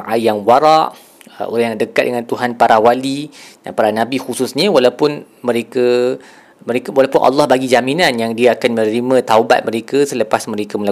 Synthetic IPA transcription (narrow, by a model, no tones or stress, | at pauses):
ajjaŋwaɾaʔ | o̰ɾajaŋdəkat̪̚dəŋãnt̪uɦanpaɾawalida̰npaɾanãbixususɲə̃walawpʊn | mə̃ɾekə | mə̃ɾekawalawpʊnʔɑ̰lːɑhbaɡid͡ʒaminãnjaŋdiaakanmə̃nəɾimə̃t̪auba̰t̪̚mə̃ɾekəsələpasmə̃ɾekaməla